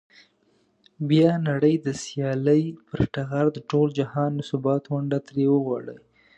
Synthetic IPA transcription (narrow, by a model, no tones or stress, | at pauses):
bjɑnaɽəjd̪əsjɑləjpəɾʈaɣaɾd̪əʈold͡ʒahɑnːəsʊbɑt̪ɣʊɳɖat̪ɾewəɣɑɽə̰j